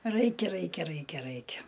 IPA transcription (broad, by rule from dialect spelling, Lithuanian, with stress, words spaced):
ˈrɐɪkʲɛ ˈrɐɪkʲɛ ˈrɐɪkʲɛ ˈrɐɪkʲɛ